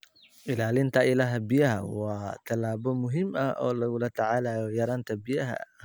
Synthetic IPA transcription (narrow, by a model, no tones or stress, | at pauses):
ʔɪlaːlɪnt̪ʰɐʔɪlɐɦɐbɪjɐɦɐ̰wɑːt̪ʰɐlaːbɔmʊɦɪmʔɐʔɔ̰ːlɐɣʊlɐt̪ʰɐʕalaːjɔjɐɾaːnt̪ʰɐbɪjɐɦɐ̰